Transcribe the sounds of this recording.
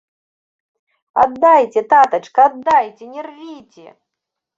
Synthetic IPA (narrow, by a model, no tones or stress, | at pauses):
ad̪ːajt͡sʲɛt̪at̪ɐt͡ʂkɐad̪ːajt͡sʲɛnʲɛrvʲit͡sʲɛ̰